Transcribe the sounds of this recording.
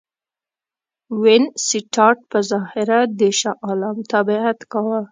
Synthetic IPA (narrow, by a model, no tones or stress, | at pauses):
wɪnsiʈʰɑʈ̚pəzɑhɪɾad̪eʃaʔɑlamt̪abɪat̪kawə